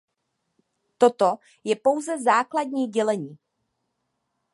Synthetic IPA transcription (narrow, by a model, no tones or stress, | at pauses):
t̪o̞t̪o | jɛpo̞wzɛzaːkladɲiːɟɛlɛɲiː